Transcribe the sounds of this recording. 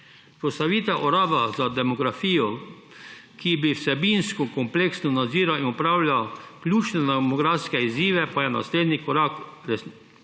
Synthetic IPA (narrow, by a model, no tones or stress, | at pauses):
pɾɔsaʋiːt̪ɛʔɔɾaːd̪azad̪ɛmɔɡɾafiːɔ | kibiwsɛbinskɔkɔmpleːksnɔnad̪ziːɾainɔpɾaːwlʲjaklʲuːt͡ʃnɛd̪ɛmɔɡɾafskɛiziːʋɛpajɛna̰sleːd̪nikɔɾakɾɛs